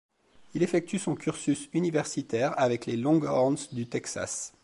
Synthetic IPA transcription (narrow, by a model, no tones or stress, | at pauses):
ilefɛk̚t̪ysɔ̃kʰʲyʁsysynivɛʁsit̪ɛʁavɛklelɔ̃ɡɔʁnsd̪yt̪ɛksa̰s